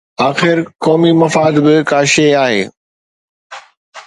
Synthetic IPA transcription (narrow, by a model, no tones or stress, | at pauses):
aːxɪɾkɔːmimɐfaːd̪bɪkaːʃeaːɦḛː